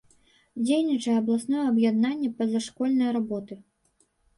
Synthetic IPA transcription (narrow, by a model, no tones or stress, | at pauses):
d͡zʲejnʲit͡ʂɐjɛɐblˠasnɔjɛɐbjad̪nanʲːɛpɐzaʂkɔlʲnɐjɾabɔt̪ɨ